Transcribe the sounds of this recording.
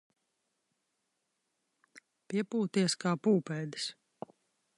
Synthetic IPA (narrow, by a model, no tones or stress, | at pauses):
piɛpuːt̪iɛskaːpuːpɛːd̪ɪ̥s